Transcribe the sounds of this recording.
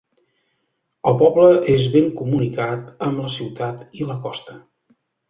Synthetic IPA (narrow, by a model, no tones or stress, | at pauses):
əlˠpɔbləʔezβeŋkumunikat̪əmləsiwt̪at̪iləkɔst̪ə